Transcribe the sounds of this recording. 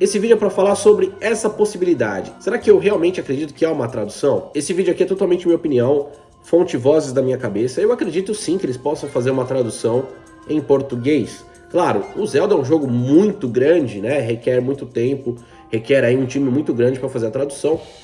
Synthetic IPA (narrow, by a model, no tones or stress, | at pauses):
esɪvid͡ʒʊɛpɾɐfalaɾsobɾɪɛsɐposibilid̪a̰d͡ʒɪseɾakɪewɦeawmẽnt͡ʃɪakɾed͡ʒit̪ʊ̥kɪaũmɐt̪ɾad̪usɐ̃w̃esɪvid͡ʒʊakiɛt̪ot̪awmẽnt͡ʃɪ̃mĩɲopiniɐ̃w̃ | fõnt͡ʃɪvɔzɪzd̪ɐmĩɲɐkabesɐewakɾed͡ʒit̪ʊsĩkɪelɪspɔsɐ̃w̃fazeɾũmɐt̪ɾad̪usɐ̃w̃ | ẽj̃poɾt̪uɡejs | klaɾʊʊzɛwd̪ʊɛũʒoɡʊmũj̃t̪ʊɡɾɐ̃d͡ʒɪnɛɦekɛɾmũj̃t̪ʊt̪ẽpʊ | hekɛɾaiũt͡ʃĩmɪmũj̃t̪ʊɡɾɐ̃nd͡ʒɪpɾɐfazeɾɐt̪ɾad̪usɐ̃w̃